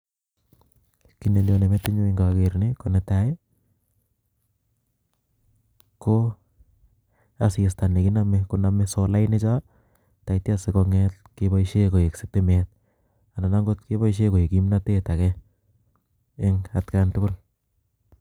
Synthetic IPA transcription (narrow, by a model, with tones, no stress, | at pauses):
ki˨ne˨ljone˨mɛtɪ˦ɲo˦eŋɡa˨keɾni˦ko˨nɛtae | ko | a˨si˨sta˨ne˨ki˦namɛkoname˦sɔla˦ɪnet͡ʃa˦ | ta˨iti˦asɪkɔŋɛtkeba˦iʃe˦ko˨e˨kse˨k̚temɛt̚ | a˨na˨naŋɡo˦tke˦bɔ˦iʃ̬e˦ko˨e˨kimnate˦ta˨kɛ | eŋatkantʊ˦kʊ˦l